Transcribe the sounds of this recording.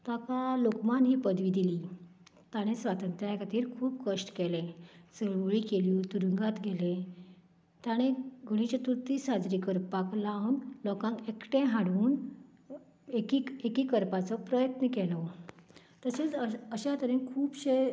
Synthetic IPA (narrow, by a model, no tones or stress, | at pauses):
t̪akalokmanɦiːpəd̪ʋiːd̪iliː | t̪aɽ̃ẽsʋat̪ənt̪ɾjajkʰat̪iːɾkʰuːbkəʂʈkɛlẽt͡səɭʋɭiːkelit̪uɾəŋɡat̪ɡʱelẽ | t̪aɽ̃eɡʱuɽ̃it͡ɕjat̪uɾt̪iːsad͡zɾikəɾpaklaunlɔkãŋkekʈẽɦaɽuːn | ekiekiːkəɾpat͡sɔpɾəjət̪nəkɛlɔ | t̪əset͡səɕat̪əɾĩnkʰuːbɕe